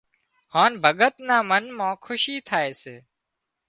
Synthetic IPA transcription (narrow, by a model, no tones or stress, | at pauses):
haːnbʱəɠət̪naːmənmãːkʰʊʃiːt̪ʰaːeːseː